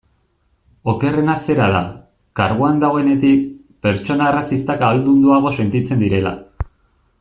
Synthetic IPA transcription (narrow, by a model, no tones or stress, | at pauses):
o̞ke̞re̞nase̞ɾaða̰ | kaɾɣoand̪aɣo̞e̞ne̞t̪ik̚ | pe̞ɾt͡ʃo̞naerasist̪akaβald̪und̪uaɣ̞o̞se̞nt̪it͡se̞nd̪iɾe̞la̰